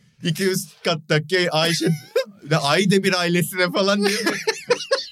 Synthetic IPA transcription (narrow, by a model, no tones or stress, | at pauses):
ikʰʲijyzkat̪ːakʲːejajʃɛd̪d̪ɛʔajd̪ɛbiɾaːilʲesid̪ɛfalˠan